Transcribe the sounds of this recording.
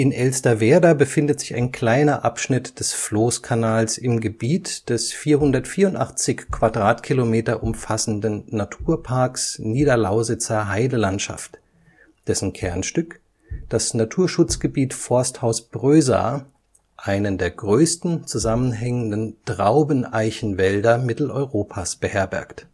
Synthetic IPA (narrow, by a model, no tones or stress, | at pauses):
ʔɪnʔɛlstɐveːɐdɐbəfɪndətz̥ɪça̰ɪnkl̥aɪnɐʔapʃnɪtd̥ɛsfloːskʰanaːlsɪmɡəbiːtd̥ɛsfiːɐhʊndɐtfiːɐʊntʔa̰χt͡sɪçkv̥adʁaːtkʰilomeːtɐʔʊmfasn̩dənnatʰuːɐpʰaɐksniːdɐlaʊzɪt͡sɐɦaɪdəlantʃa̰ft | d̥ɛsn̩kʰɛɐnʃtʏk | d̥asnatʰuːɐʃʊt͡sɡ̥əbiːtfɔɐsthaʊsb̥ʁøːza̰ː | ʔaɪnəndeːɐɡʁøːstn̩t͡suzamənɦɛŋəndəntʁaʊbənʔaɪçn̩vɛldɐmɪtl̩ʔɔ̰ʏʁoːpʰasb̥əhɛɐbɛ̰ɐkt